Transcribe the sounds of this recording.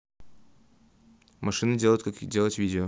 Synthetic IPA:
mɐʂɨnɨdʲeəjʊt̪kakdʲe̞lˠətʲvʲidʲɪo

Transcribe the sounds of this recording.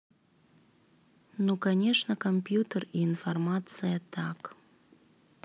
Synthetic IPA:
nukɐnʲeʂnəkomʲpjut̪əriːnfɐrmɑt̪t͡sɨjət̪ɑk

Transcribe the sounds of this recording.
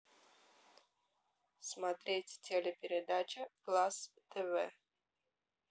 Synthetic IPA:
smat̪ɾʲetʲtʲʰelʲɛpʲɪɾʲɪd̪at͡ʃɐklˠast̪ʰɛvɛ̰

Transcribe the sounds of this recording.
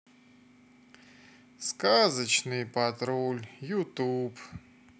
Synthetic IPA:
skazət͡ɕnɨjpɐt̪ɾolʲjʊt̪up

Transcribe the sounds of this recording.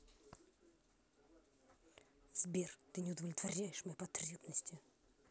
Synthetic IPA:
z̥bʲert̪ɨnʲɪʊd̪əvlʲɪt̪vɐɾʲæjɪʂmɐjɛpɐt̪ɾʲebnəsʲtʲɪ

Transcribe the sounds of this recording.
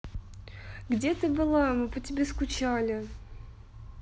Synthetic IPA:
ɡdʲet̪ɨbɨlˠamɨpətʲɪbʲeskʊt͡ɕalʲɪ

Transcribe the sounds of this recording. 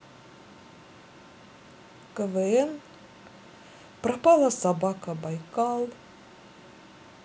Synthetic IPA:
kəvəɛn | pɾɐpalˠəsɐbakəbɐjkalˠ

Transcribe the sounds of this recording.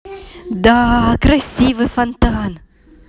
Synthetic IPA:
d̪ɑːkrəjsivəfɐnt̪ɑːn

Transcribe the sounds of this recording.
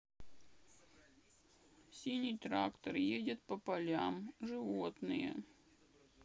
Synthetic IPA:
sʲinʲijt̪ɾakt̪ərjedʲɪt̪̚pəpɐlʲamʐɨvo̞t̪nɨjə̰

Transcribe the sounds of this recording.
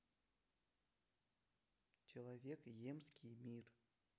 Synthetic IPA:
t͡ɕɪlˠavʲekjemskʲijmʲir

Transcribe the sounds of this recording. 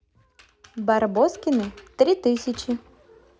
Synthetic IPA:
barbɔskʲɪnɨt̪ɾʲit̪ɨsʲɐt͡ɕi

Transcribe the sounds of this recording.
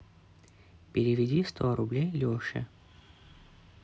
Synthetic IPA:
pʲɪɾʲɪvʲɪdʲist̪ʰoɾʊblʲejlʲoʂɨ̰

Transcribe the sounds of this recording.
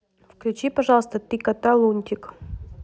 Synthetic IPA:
fklʲʉt͡ɕipɐʐɑlˠəst̪ət̪ikɐt̪alˠunʲt̪ʲɪk

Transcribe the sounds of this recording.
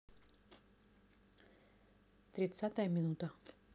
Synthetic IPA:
t̪ɾʲɪt̪sat̪əjəmʲɪnut̪ə

